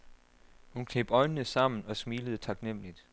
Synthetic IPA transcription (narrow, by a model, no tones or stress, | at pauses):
hunkʰeːb̥ɒ̽ɪnənəsɑ̈m̰n̩ɒ̽smiːləðˠt͡sʰɑ̈ɡ̥nem̰lid̥